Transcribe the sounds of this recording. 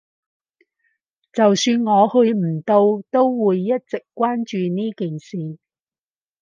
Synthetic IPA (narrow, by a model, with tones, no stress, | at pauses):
t͡sɐ˨wsyː˧nŋɔː˨˧hɵ˧ɥm̩˨˩t̪o˧wt̪o˥wwuː˨jːɐ˥t̚t͡sɪ˨kːʷwaː˥nt͡ʃyː˨˧niː˥kiː˨˩nsiː˨